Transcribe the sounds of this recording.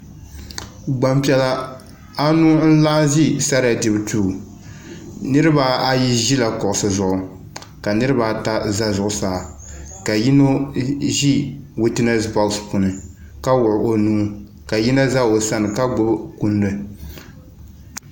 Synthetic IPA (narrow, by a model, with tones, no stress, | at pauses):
ɡ͡ba˨mpi˨ɛ˨la˦ | a˦nu˦n̩˦la˦ʒi˦sa˦ɾa˨dɨ˨bɨ˨˦tuː˨ | nɨ˦ɾɨ˦ba˨a˦ji˦ʒi˦la˨kɔ˨ʔʊ˨sɨ˨zʊ˨ʔʊ˨ | ka˨nɨ˦ɾɨ˦ba˨ta˦za˦zʊ˨ʔʊ˨saː˨ka˨ji˦no˦ʒi˦wi˦tɛ˦nɛ˦sba˨˦spu˨nɨ˨ | ka˦wʊ˨ʔʊ˨ʔo˨nuː˦ | ka˨ji˦na˦za˦o˨sa˦nɨ˨ka˦ɡ͡bʊ˦bku˦ndɨ˦